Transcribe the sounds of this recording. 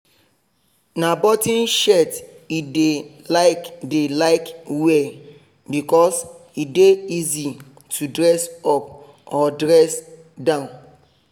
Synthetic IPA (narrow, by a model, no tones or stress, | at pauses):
nabɔtĩnʃɛt | ide | laɪkdelaɪkwɛ | bikɔs | ideizi | tʰudɹɛsɔp̚ | ɔdɹɛs | dãʊ̃n